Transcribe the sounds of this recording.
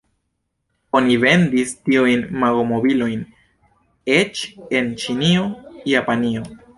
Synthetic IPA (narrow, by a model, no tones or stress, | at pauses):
onive̞ndistiujnmaɡomo̞bilo̞jn | e̞t͡ʃe̞nt͡ʃinio̞japanio̞